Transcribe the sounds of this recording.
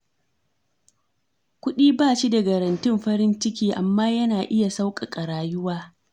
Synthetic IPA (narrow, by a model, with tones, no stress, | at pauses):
kʷʊ˦ɗiː˦baː˦˨ʃi˦dɐ˨ɡɐ˨ɾɐ˨ntɪ˦mɸɐ˦ɾɪ˦nt͡ʃɪ˦kʲiː˦ʔa˨mːaː˦jɐ˦naː˨ʔɪ˦ja˨sa˦wkʼa˨kʼɐ˨ɽaː˨jʊ˦waː˦